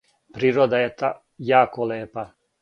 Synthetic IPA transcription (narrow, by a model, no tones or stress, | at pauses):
pɾiːɾod̪ajet̪a | jaːkoleːpa